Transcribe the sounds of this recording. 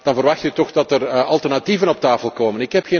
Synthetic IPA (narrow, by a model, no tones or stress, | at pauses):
d̥ɑnvərʋɑxtytɔxdɑtərɑlˠtɛrnativənɔp̚taːfəlˠkoːmənɪkɦɛpxeː